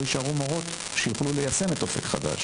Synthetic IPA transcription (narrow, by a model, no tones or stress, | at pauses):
iʃaʁumaʁot̪ | ʃejuχlulejase̞metofe̞̰kχa̰d̪a̰ʃ